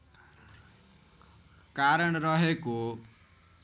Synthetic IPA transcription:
kaɾʌɽ̃ɾʌɦeko

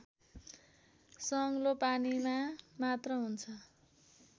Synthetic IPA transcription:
sʌŋlopanimamat̪rʌɦunt͡sʰʌ

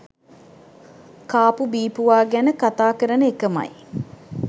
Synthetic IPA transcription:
kaːpubiːpuʋaːɡænəkat̪aːkəɾənəekəmɐ̰j

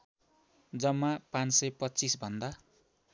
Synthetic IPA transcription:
d͡zʌmːapãnt͡ssʌjpʌtːt͡sisbʱʌnd̪a

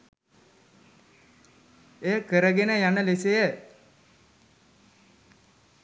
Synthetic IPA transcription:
eːkəɾəɡenəjanəlesejə

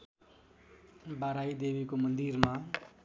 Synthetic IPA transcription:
baɾajd̪ebikomʌnd̪iɾma

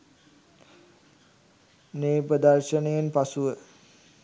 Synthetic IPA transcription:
neːpɾəd̪arʃənejenpasuʋə

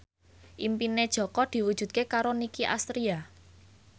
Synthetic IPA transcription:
ʔimpined̥ʒ̥ɔ̤kɔd̪̥i̤wud̥ʒ̥ṳd̪̚kekaɾonikiʔa̰st̪ɾia

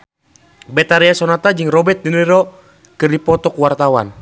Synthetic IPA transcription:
bɛt̪aɾiasɔnat̪ad͡ʒɨŋrɔbɛt̪̚diniɾɔ | kɨrdipɔt̪ɔkwart̪awa̰n

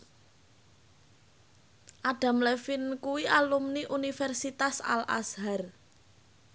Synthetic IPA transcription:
ʔaɖ̥a̤mlefinkuwiʔalumniʔunifɛrsit̪asa̰lʔa̰sɦar

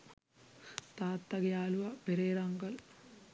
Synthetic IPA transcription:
t̪aːt̪ːɐɡɐjaːluʋɐpeɾeːɾɐŋɡɐl

